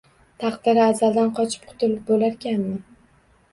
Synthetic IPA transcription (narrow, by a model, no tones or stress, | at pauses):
t̪ʰɑqd̪ɪɾɪazald̪anqʰɒt͡ʃʰɪ̥p̚qʰʊ̥t̪ɪlɪp̚bolaɾkʲanːɪ